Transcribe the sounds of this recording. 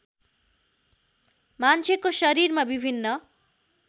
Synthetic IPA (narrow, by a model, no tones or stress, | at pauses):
mant͡sʰekosʌɾiɾmabibʱinːʌ